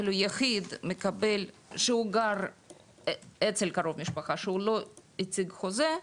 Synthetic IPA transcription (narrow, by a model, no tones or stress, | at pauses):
lujaxid̪mekabel | ʃeuɡaɾ | et͡selkaɾo̞vmiʃpaχaʃeuloit͡siɡxoze